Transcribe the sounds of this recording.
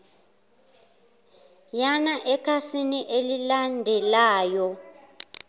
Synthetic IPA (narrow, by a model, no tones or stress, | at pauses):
janaʔɛkʰasiniʔelilandʱɛlaːjɔ